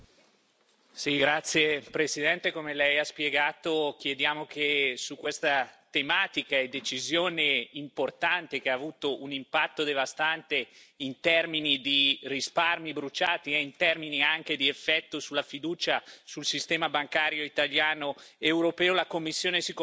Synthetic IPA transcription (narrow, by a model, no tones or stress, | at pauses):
siɡɾat̪sːjepɾesid̪ɛnt̪ekomelɛjaspjeɡaːt̪ok̟jed̪jaːmok̟esukːwest̪at̪emaːt̪ikaed̪et͡ʃizjoːneimport̪ant̪ek̟eaːvuːt̪oʔunimpat̪ːod̪evast̪ant̪eint̪ɛrminid̪irisparmibɾut͡ʃaːt̪iɛint̪ɛrminiaŋk̟ed̪iefːɛt̪ːosulːafid̪uːt͡ʃasulsist̪ɛːmabaŋkaːɾjoit̪aljaːnoewɾopɛːolakomːisːjoːnesik